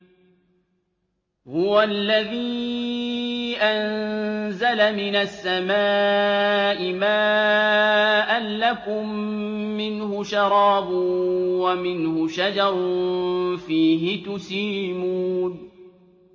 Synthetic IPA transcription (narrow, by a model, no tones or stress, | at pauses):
hʊwalːaðiː | ʔannzalamɪnasːamaː | ʔɪmaː | ʔalːakʊmː | ɪnhʊʃɑɾˤɑːbʊwamɪnhʊʃad͡ʒɑɾˤ | fiːɦɪt̪ʊsiːmuːn